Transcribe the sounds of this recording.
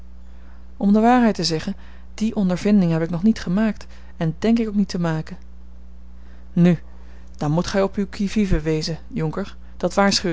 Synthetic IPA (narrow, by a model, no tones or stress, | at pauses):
ɔmdəʋaːɹɦɛjtəzɛχən | d̥iʔɔndəɹvɪndɪŋɦɛpɪknɔχnitχəmaːkt | ɛndɛŋkɪkowknitəmaːkə | ny | d̥ɑnmutχɛjɔpywkʰivivəʋejzəjɔŋkəɹ | d̥ɑtʋaːɹsχyw